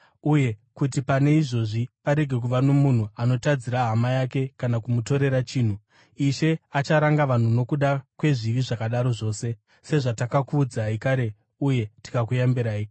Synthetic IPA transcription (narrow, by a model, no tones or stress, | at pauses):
uje̞kut̬ipane̞iʐo̞ʐipaɾe̞ɡʱe̞k̬uʋano̞mun̤uano̞tad͡ziɾaɦamajake̞kanakumuto̞ɾe̞ɾat͡ʃiːn̤u | iʃe̞at͡ʃaɾaŋɡaʋan̤uno̞kuɗakwe̞ʐiʋiʐakaɗaɾo̞ʐo̞ːse̞ | se̞ʐatakakuːd͡zaikaɾe̞ | uje̞ti̥kak̬ujambiɾaːi